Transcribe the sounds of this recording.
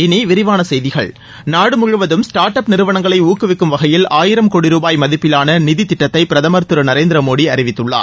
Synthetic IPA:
ɪniʋɪɾɪʋaːnɐsɛjðɪɣɐ̰ɭ | naːɽɯmʊɻɯʋɐðɯmsʈaːɾʈɐpnɪɾɯʋɐɳɐŋɡɐɭɐɪuːkːɯʋɪkːɯmʋɐɣɐjɪlaːjɪɾɐmkoːɽɪɾuːbaːjmɐðɪpːɪlaːnɐnɪðit̪ːɪʈːɐt̪ːɐɪpɪɾɐðɐmɐɾt̪ɯɾɐnɐɾeːnd̪ɪɾɐmoːɽiɐɾɪʋɪt̪ːɯɭːa̰ː

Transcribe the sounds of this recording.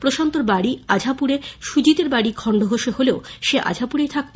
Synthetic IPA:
pɾoʃant̪oɾbaɽiad͡ʑʱapuɾeʃud͡ʑit̪eɾbaɽikʰɔɳɖʱoɦoʃeholeoʃeʔa̰d͡ʑʱapuɾejt̪ʰak̚

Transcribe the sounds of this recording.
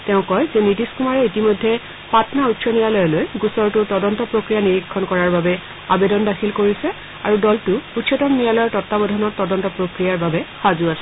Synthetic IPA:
tɛʊ̃kɔjzɛnidiskumaɹɛitimojdʱːɛ | patnautsɔnijalɔjɔlojɡusɔɹtʊtɔdɔntɔpɹokɹijaniɹikʰːɔnkɔɹaɹbabɛ | abedɔndakʰilkoɹisɛ | aɹudɔltʊutʃɔtɔmnijalɔjɔɹtɔtːabɔdʱɔnɔɹtɔdɔntɔpɹokɹijaɹbabɛxazuasɛ

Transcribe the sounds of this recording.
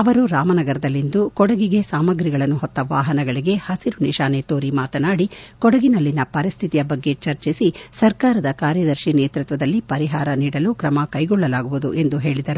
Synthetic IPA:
ɐʋɐɾuɾaːmɐnɐɡɐɾɐd̪ɐlːind̪ukɔɽɐɡiɡe̞saːmɐɡɾiɡɐɭɐnːuɦɔt̪ːɐʋaːɦɐnɐɡɐɭiɡe̞hɐsiɾuniʃaːnet̪oːɾimaːt̪ɐnaːɽikɔɽɐɡinɐlːinɐpɐɾist̪ʰit̪ijɐbɐɡːe̞t͡ʃɐɾt͡ʃisisɐɾkaːɾɐd̪ɐkaːɾjɐd̪ɐɾʃineːt̪ɾut̪ʋɐd̪ɐlːipɐɾiɦaːɾɐniːɽɐlukɾɐmɐkɐjɡɔɭːɐlaːɡuʋud̪uʔe̞nd̪uɦe̞ːɭid̪ɐɾu

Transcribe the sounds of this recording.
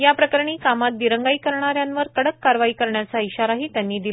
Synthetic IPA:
japɾəkəɾɳ̃iːkamat̪̚d̪iɾəŋɡaiːkəɾɳaɾjanʋəɾkəɽəkːaɾʋaiːkəɾɳjat͡saiɕaɾaɦiːt̪janːiːd̪i

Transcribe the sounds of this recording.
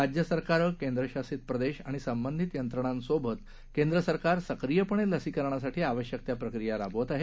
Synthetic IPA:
ad͡ʑjəsəɾkaɾəkend̪ɾəɕasiːt̪̚pɾəd̪eɕa̰ɽ̃isəmbənd̪ʱit̪jənt̪ɾəɳ̃ansobʱət̪ | kẽnd̪ɾəsəɾkaɾsəkɾijəpəɳ̃eləsiːkəɾɳ̃as̬aʈʰiːaʋəɕjək̚t̪japɾəkɾijaɾabʱʋət̪aɦe

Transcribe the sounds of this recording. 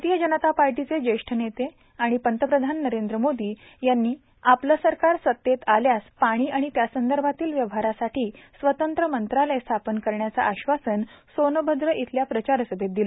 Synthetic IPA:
t̪ijəd͡ʑənət̪apaɾʈit͡sed͡ʑəjʂʈʰənet̪e | aɽ̃ipənt̪əpɾəd̪ʱanːəɾend̪ɾəmod̪iː | janːiː | apləsəɾkaɾsət̪ːjet̪aljaspaɽ̃iːʔaɽ̃it̪jasənd̪əɾbʱat̪iːlʋjəʋɦaɾasaʈʰiːsʋət̪ənt̪ɾəmənt̪ɾalest̪ʰapənkəɾɳjat͡sa̰ʔaɕʋasənsonəbʱəd̪ɾəʔit̪ʰljapɾət͡ɕaɾsəbʱet̪̚d̪il

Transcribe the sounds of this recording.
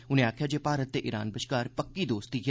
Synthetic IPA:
ʊnẽaːkʰjad͡ʒeːpaːɾət̪ːeʔɪɾa̰ːnbɪʃkaːɾpɐkːid̪oːst̪ik

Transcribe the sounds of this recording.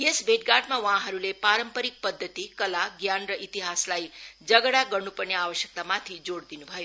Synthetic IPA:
iesbeʈ̚ɡaʈmãʋãɦəɾulepaɾəmpəɾik̚pəd̪ʱːət̪ikəlaɡjanɾəʔit̪iɦaslaid͡ʒəɡɽaɡəɾnupəɾnjeaʋəʃjək̚t̪amãt̪ʰid͡ʒoɽd̪inũbʱəju

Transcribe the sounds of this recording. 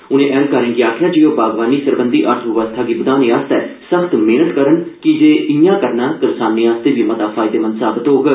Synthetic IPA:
ʊnẽːʔɛ̃ːmkəɾɪ̃ːɡiaːkʰjãːd͡ʒiːjoːbaːɡʋaːniːsəɾbənd̪iːʔəɾt̪ʰʋɪʋəst̪ʰaːɡiːbəd̪aːniːaːst̪ɛːsəkʰt̪meːnət̪kəɾənkɪd͡ʒeːɪjãːkəɾnãːkɪɾsaːnːiːaːst̪eːʋiːmət̪aːpʰaːɪd̪eːmənsaːbət̪oːɡ

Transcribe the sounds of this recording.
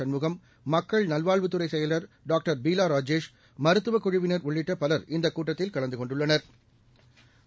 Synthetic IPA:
ɐnmɯɣɐmː | ɐkːɐɭnɐlʋaːɭʋɯt̪ːɯɾɐɪsɛjɐlɐɾ | ɖaːk̚ʈɐɾbiːlaːɾaːd͡ʒeːʂ | mɐɾɯt̪ːɯʋɐkːʊɻɪʋɪnɐɾʊɭːɪʈːɐpɐlɐɾɪnd̪ɐkːuːʈːɐt̪ːɪlkɐɭɐnd̪ɯkɔɳɖɯɭːɐnɐɾ

